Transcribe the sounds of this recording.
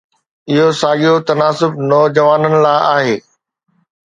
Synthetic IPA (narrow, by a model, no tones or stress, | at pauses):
ɪɦosaːɠijot̪ɐnaːsʊbnɔːd͡ʑɐʋaːnənɪ̆laːʔaːɦeː